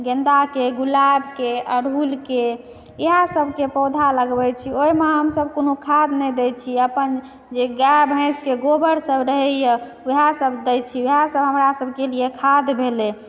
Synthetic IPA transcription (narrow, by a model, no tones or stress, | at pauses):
ɡẽnd̪akeɡulabkeəɾulke | eɦasəbʱkepɔd̪ʱaləɡbɛt͡ʃʰioimẽɦəmsəbkonokʰad̪nɛd̪ɛt͡ʃʰiəpən | d͡ʒeɡabʱə̃ɪskeɡobəɾsəbɾəɦɛjə | uɦasəbd̪ɛjt͡ʃʰieɦasəbɦəmɾasəbʱkeliekʰad̪bʱele